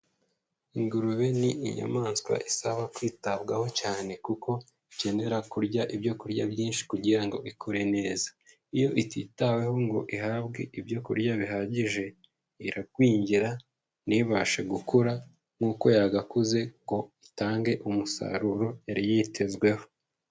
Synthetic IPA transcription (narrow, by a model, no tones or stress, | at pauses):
iŋɡuɾuβe̞niiɲa̰maːnskwa̰ʔisaβakwiːtaβɡaho̞caːne̞kuko̞ | ice̞ne̞ɾakuɾɟaʔibjo̞kuɾɟabjiːnʃi̥kuɟiɾaŋɡo̞̰ʔikʰuɾe̞ne̞ːzḁ | ijo̞ʔititawe̞ho̞ŋɡo̞ʔiɦaːβɡeʔiβjo̞kuɾjaβihaɟiʒe̞ | iɾakwiːɲɟiɾa | niβaːʃe̞ɡukuɾa | ŋ̥uːko̞jaɡakuze̞ŋɡo̞itaːŋɡe̞ʔumusa̰ɾuɾo̞jaɾijitʰe̞zɡwe̞ho̞